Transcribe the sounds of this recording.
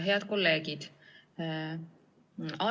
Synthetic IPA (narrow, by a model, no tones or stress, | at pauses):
ɦeɑd̪̚kolːeːɡid̪̥ | ɑ